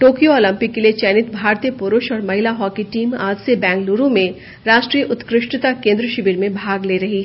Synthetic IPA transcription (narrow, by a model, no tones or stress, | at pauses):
ʈoːkijooːlə̃mpɪkːeliet͡ʃɛːnɪt̪bʱaːɾt̪ijəpʊɾʊʃɔːɾmɐɦɪlaɦɔːkiʈiːmaːd͡ʒsebɛ̃ːŋkluːɾõmẽ | ɾaːʃʈɾiːjəʔʊt̪kɾɪʃʈt̪akẽːnd̪ɾəʃɪbiɾmẽbʱaːɡleːɾɐɦi